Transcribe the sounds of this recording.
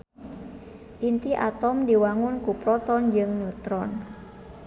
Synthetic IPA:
int̪iʔa̰t̪ɔmdiwaŋʊnkupɾɔt̪ɔnd͡ʒɨŋnut̪ɾɔn

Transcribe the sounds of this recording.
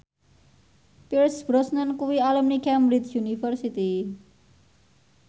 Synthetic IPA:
piɾsbɾɔsnənkuwialəmnikɛmbɾid͡ʒjunifərsit̪i

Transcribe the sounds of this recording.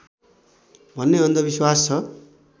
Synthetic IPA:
bʱʌnːeʌnd̪ʌbiswast͡sʰʌ

